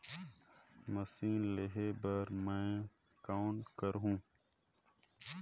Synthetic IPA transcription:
məsiːnleɦebəɾmẽkaːwɳʈkəɾɦũː

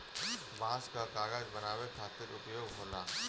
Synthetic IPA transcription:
bãːskakaːɡaːd͡ʒbɐnaːwekʰaːt̪ɪɾʊpjoːɡɦoːnaː

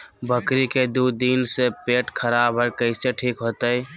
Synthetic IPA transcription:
bʱəkɾiked̪ud̪insepeʈkʰəɾabʱɦəɾkəɪseʈʰikɦot̪əj

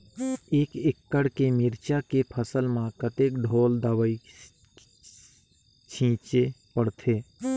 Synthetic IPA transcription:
eːkɪkːəɽkemɪɾt͡ʃakepʰəsəlmãkət̪eːkɖʱoːld̪əwəi | t͡ʃʰĩːt͡ʃepəɽt̪ʰeː

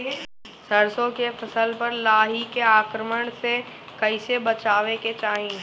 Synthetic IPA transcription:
səɾsõkefʰɐsəlpɐɾlaːɦikeaːkɾəməɽ̃se | kɐɪsebət͡ʃaːʋeket͡ʃaːɦĩ

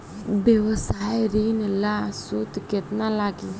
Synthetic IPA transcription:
bjeʋəsajɾinlasut̪ket̪nalaɡi

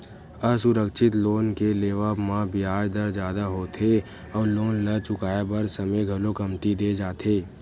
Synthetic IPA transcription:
ɐsʊɾəkʃɪt̪loːnkeleːʋamãbɪaːd͡ʒd̪əɾd͡ʒjaːd̪aɦoːt̪ʰe | ɔːɾloːnlɐt͡ʃʊkaːebɐɾsɐməjɡʱɐlokɐmt̪id̪eːd͡ʒaːt̪ʰeː

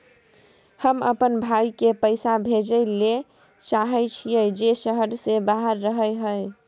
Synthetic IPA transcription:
həmə̰pənbʱajkepəɪsabʱed͡ʒəle | t͡ʃaɦəjt͡ʃʰijəd͡ʒesəɦəɾsebaɦəɾːəɦəjɦəj

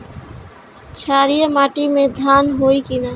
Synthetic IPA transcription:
t͡ʃʰaːɾijəmaːʈimẽd̪ʱaːnɦoikina

